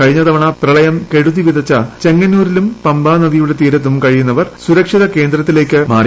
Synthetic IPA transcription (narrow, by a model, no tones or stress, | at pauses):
kɐɻiɲːɐðɐʋɐɳɐprɐɭɐjɐmke̞ɽuðiʋiðɐt͡ɕːɐt͡ɕe̞ŋːɐnːuːɾilumpɐmbaːnɐðijuɽe̞t̪iːɾɐt̪ːumkɐɻijunːɐʋɐrsuɾɐkʂiðɐke̞ːnd̪rɐt̪ːile̞ːkʲːɨma̰ːri